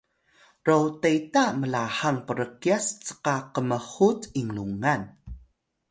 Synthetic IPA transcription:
rowtejtaməlahaŋpəɾəkiast͡sə̥qaqəməhutiŋluŋan

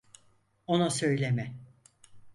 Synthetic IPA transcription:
onusøjlʲemɛ

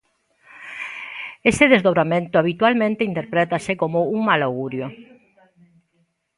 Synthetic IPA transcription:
eseðezðoβɾamẽnt̪oaβit̪walmẽnt̪eint̪eɾpɾet̪asekomouŋmaloɣuɾjo

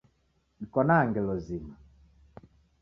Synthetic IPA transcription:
ikɔnaːŋɡɛlɔzima

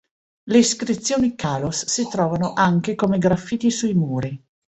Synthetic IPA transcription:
leiskɾit̪sːjoːnikaːlosːit̪ɾɔːvanoʔaŋk̟ekomeɡɾafːiːt̪isuimuːɾi

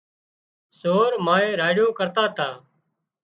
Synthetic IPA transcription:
soːɾmaːẽːɾaːɽjõːkəɾt̪aːt̪aː

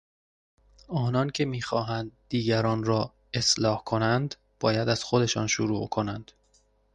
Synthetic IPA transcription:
ɒːnɒːncʰe̞miːxɒːɦænd̪ːiːɟæɾɒːnɾɒː | e̞slɒːhkʰo̞nænd̪ | b̥ɒːjæd̪æz̥xod̪e̞ʃɒ̰ːnʃuɾṵːʔkʰo̞nænd̪̥

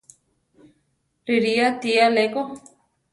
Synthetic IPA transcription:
riɾiat̪ialeko

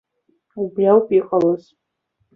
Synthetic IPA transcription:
ublʲawpʼiqʼalɨz

